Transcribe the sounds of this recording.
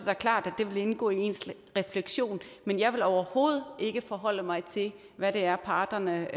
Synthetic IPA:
d̥æɐkʰlɑ̰̈ːd̥æd̥e̝ʋe̝le̝nɡ̥ɔ̰ːie̝̰nsʁɛfleɡ̥ɕo̝̰ːnmenjɑ̈ɪʋe̝lɒʊɐho̝ːð̞̩ˠe̝ɡ̥əfɒ̽ɦɒ̽l̰əmɑ̈ɪt͡sʰe̝l | ʋæɾe̝æɐpʰɑ̈ːd̥ɐnə

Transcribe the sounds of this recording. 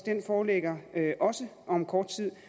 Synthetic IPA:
d̥enfɒːleɡ̥ɐøʔɒ̽sə | ɒ̽mkʰɒːd̥̚t͡sʰið̰ˠ

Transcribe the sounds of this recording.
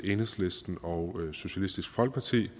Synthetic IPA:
ʔenəsle̝sd̥n̩ɒ̽ʊso̝ɕælisd̥isɡ̥fɒ̽lɡ̥əpʰɑt͡sʰḭː

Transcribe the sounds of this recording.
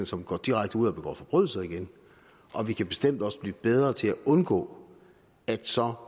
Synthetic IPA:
n̩sɒ̽mɡ̥ɒ̰ːd̥iʁaɡ̥̚d̥əuð̰ˠɒb̥eɡ̥ɒ̰ːfɒb̥ʁœð̰ˠl̩sð̩ˠiɡ̥en | ʔɒ̽ʋikʰæb̥e̝̥sd̥em̰d̥ɒ̽səb̥liːb̥eð̞ˠʁɐt͡sʰe̝læʔɔ̽nɡ̥ɔ̰̽ː | æd̥sɒ̽

